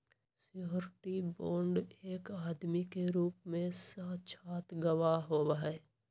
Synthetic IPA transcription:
sɪjoːɾɪʈiboːɳɖeːkaːd̪mikeɾuːpmẽsat͡ʃʰaːt̪ɡəʋaɦobaːeː

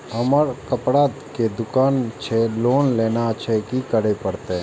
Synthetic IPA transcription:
əməɾkəpɽaːd̪ked̪ʊkaːnt͡ʃʰeloːnleːnat͡ʃʰekikəɽepəɽt̪ẽ

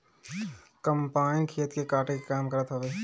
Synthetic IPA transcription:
kəmpaːɪnkʰiːət̪kekaːʈekekaːmkəɾət̪ɦəʋeː

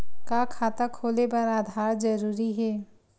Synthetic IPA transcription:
kakʰaːt̪akʰoːlepɐɾaːd̪ʱaːɾd͡ʒɐɾuːɾiɦɛː

